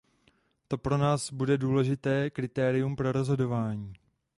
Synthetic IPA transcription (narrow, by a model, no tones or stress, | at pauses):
t̪o̞pɾo̞naːzbudɛduːlɛʒɪt̪ɛːkɾɪt̪ɛːɾɪjumpɾo̞ɾo̞zɦo̞do̞vaːɲiː